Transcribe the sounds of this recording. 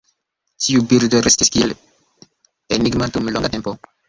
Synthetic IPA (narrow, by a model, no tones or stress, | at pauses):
tʰiubiɾdoɾestiskiel | eniɡmatumloŋɡatempo